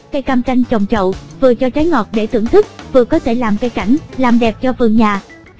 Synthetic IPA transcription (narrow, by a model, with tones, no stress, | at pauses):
kaː˧˦jka˧mt͡ɕa˧jŋ̟t͡ɕə˨˩wŋ͡mt͡ɕə̰˧˨wvɨ˨˩ət͡ɕɔ˧t͡ɕaː˨˦jŋɔ˨˩t̚ɗe˧˩t̪ʰɨ̰˧˩əŋt̪ʰɨ˦˥k̚vɨ˨˩əkɔ˨˦t̪ʰe˧˩laː˨˩mkaː˧jka˧˩jŋ̟laː˨˩mɗɛ˨˩p̚t͡ɕɔ˧vɨ˨˩ŋɲaː˨˩